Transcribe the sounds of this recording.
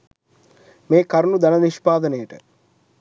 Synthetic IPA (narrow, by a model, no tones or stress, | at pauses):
meːkaɾnud̪anəniʃpaːd̪ənəjəʈə̰